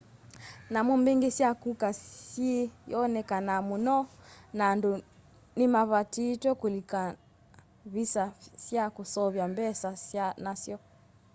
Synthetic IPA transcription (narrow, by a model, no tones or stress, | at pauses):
namumbiŋɡisjakukasijɔnɛkanamunɔnandu | nimaβatitwɛkulika | βisasjakusɔβjambɛsasjanasjɔ